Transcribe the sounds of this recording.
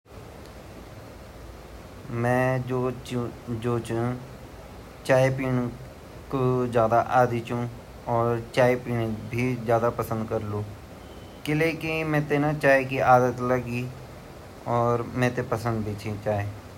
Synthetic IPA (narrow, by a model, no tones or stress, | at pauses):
mɛ̃ːo | d͡ʒoːt͡ʃũ | t͡ʃaːepiːn | kod͡ʒjaːd̪aʔaːd̪it͡ʃũ | ɔːɾt͡ʃaːepiːnbʱizjaːd̪apəsə̃nd̪kəɾlũː | kɪleːkimɛ̃ːt̪enat͡ʃaːekiaːd̪ət̪ləɡi | ɔːɾmɛ̃ːt̪epəsə̃nd̪̚bʱiːt͡ʃʰit͡ʃaːeː